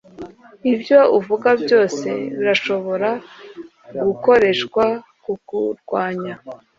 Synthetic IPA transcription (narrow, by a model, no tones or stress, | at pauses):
ibjo̞uvuɡabjo̞ːse̞βiɾaʃo̞βo̞ɾa | ɡuko̞ɾe̞ʃkwa | kukuɾɡwaːɲa